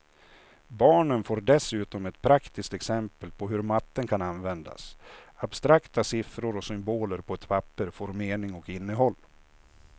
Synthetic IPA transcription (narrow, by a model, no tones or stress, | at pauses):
bɑːɳənfoːɾɖɛsʉ̟ːt̪ɔmɛt̪pʰɾakt̪ʰɪskt̪ɛksɛmpəlpʰɔɦɵɾmat̪ːənkʰananvɛnd̪a̰sabst̪ɾakt̪ʰasɪfɾʊɾɔsʏmboːləɾpʰɔɛt̪pʰapːəɾfoːɾmeːɳɪŋɔkɪnːəɦɔlː